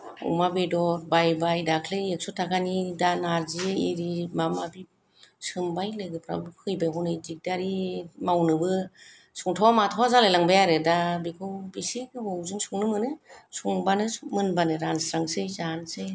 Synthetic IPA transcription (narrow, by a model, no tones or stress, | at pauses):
ṵmabedɔɾbajbajdakʰleek̚sɔtʰaɡanidanaɾzieeɾimamabi | sɯmbajlɯɡɯpʰɾa̰bkʰɯjbajɦɔnɯjdik̚daɾimawnɯbɯ | suŋtʰawamatʰawazalajlaŋbajaɾɯdabikʰɯwbisikɯhɔwzɯŋsuŋnɯmɯnɯsuŋbanɯmɯnbanɯɾansɾaŋsɯjzansej